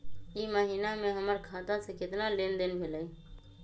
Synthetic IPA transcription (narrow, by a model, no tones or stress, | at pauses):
iməɦinamẽɦəməɾkʰat̪asẽkɪt̪nalend̪enbʱeləi